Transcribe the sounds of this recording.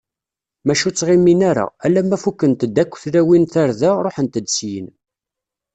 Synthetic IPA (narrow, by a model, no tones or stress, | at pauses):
mæʃut͡sːʁɪmːinæɾæ̰ælːæmːæfukːənt̪əd̪ːækʷːθlæwinθaɾðæɾˤoħənt̪əd̪sjə̰n